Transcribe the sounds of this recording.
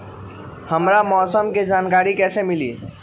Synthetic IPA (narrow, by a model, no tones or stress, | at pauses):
həmɾamɔsəmked͡ʒankaɾikɛsemilḭ